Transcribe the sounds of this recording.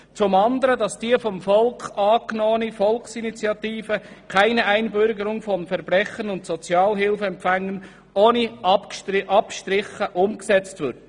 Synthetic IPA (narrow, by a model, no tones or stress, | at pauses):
t͡sʊmɑnd̪əɾədɑsd̥iəfɔmfɔlkχɑːknɔːənifɔlksinit͡sjɑt̪iːfəkʰæɪnəʔæɪnbʏɾɡəɾʊŋfɔnfɛɾb̥ɾɛχənʊntsɔt͡sjɑːlɦɪlfəɛmpfæŋːən | oːniʔɑpkʔɑpʃtɾɪχːəʔʊmksɛt͡stʋʏɾd